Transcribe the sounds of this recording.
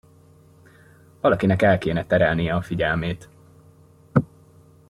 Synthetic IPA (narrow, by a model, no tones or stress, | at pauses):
vɒlɒkinɛkɛlkeːnɛt̪ɛɾɛlnijɛɒfiɟɛlmeːt̪